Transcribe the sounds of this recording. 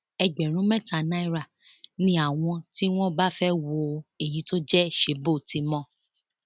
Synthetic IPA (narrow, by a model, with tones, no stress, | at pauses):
ɛ˧d͡ʒɛ˨ɾ̃ũ˨˦mɛ˦ta˨na˦i˦ɾa˨ | nĩ˦a˦˨w̃ɔ̃˧ti˦w̃ɔ̃˦ba˦fɛ˦wo˧˨e˨ji˨˦to˦d͡ʒɛ˦ʃe˨˦bo˦˨ti˨˦mɔ̃˦